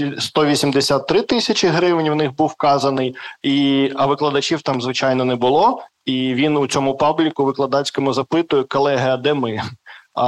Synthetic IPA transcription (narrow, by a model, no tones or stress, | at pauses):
ist̪ɔʋʲisʲimd̪esʲat̪ːɾɪt̪ɪsʲɐt͡ʃʲɪɦɾɪʋnʲwnɪxbuwkɑzɐnɪjiɐʋɪklˠɐd̪ɐt͡ʃiwt̪ɑmzʋɪt͡ʃɑjnɔnɛbʊlˠɔiʋʲinʊt͡sʲɔmʊpɑblʲikʊʋɪklˠɐd̪ɑt͡sʲkɔmʊzɐpɪt̪ʊjɛkɔlˠɛɦɐjɐd̪ɛmɪ